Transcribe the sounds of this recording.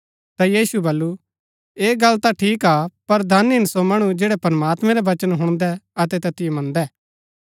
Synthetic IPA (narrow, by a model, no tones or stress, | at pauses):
t̪ajiːsubɐlːu | eːɡɐlːt̪aʈʰiːkapɐɾd̪ʱanɪnsomɐɽ̃ud͡ʒeːɽɛpɾɐmaːt̪mɛ̃ɾɛʋɐt͡ʃənɦʊɽ̃d̪ɛɐt̪̬ɛt̪ɐt̪ɪjemɐ̃nd̪ɛː